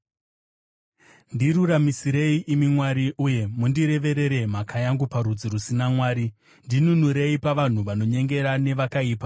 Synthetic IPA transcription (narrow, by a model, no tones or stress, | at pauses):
ndiɾuɾamisiɾe̞iʔimimwaɾiʔuje̞mundiɾe̞ʋe̞ɾe̞ɾe̞m̤akʰajaŋɡupaɾud͡ziɾusinamwaːɾi | ndinunuɾe̞ipaʋan̤uʋano̞ɲe̞ŋɡe̞ɾane̞ʋakaiːpa